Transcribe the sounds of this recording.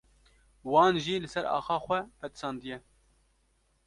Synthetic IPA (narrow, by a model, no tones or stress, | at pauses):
wɑːnʒiːlɨsɛɾɑ̰ːxɑːxʷɛpɛt̪ɨ̥sɑːnd̪ɨjɛ